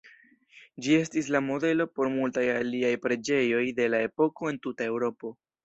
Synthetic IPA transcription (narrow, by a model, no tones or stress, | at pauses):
d͡ʒie̞stis̬lamo̞de̞lo̞po̞ɾmultajaliajpɾe̞d͡ʒe̞jo̞jde̞lae̞po̞ko̞e̞ntutae̞wɾo̞po̞